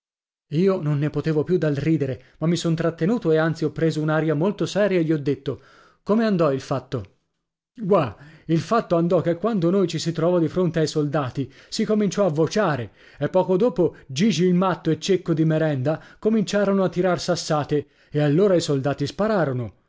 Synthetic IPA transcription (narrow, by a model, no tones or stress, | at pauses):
iːononːepot̪eːvopjud̪alriːd̪eɾemamːisont̪ɾat̪ːenuːt̪oeant̪siɔpːɾeːzounaɾjamolt̪osɛːɾjaeʎːiɔd̪ːet̪ːo | komeand̪ɔilfat̪ːo | ɡwailfat̪ːoand̪ɔk̟ːekːwand̪onojt͡ʃisit̪ɾɔːvad̪ifɾont̪eajsold̪aːt̪isikomint͡ʃɔavːot͡ʃaːɾe | epːɔːkod̪oːpod͡ʒid͡ʒiilmat̪ːoet͡ʃːekːod̪imeɾɛnd̪akomint͡ʃaːɾonoat̪ːiɾarsasːaːt̪e | ealːoːɾaisold̪aːt̪ispaɾaːɾono